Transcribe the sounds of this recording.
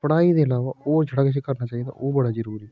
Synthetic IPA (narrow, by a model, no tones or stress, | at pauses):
pəɽaːid̪eːəlaːʋaːoːd͡ʒʱəɽaːkɪs̬eːkəɾnaːt͡ʃaːɦiːd̪a̰ːʔoːbəɽaːd͡ʒəɾuːɾiɛ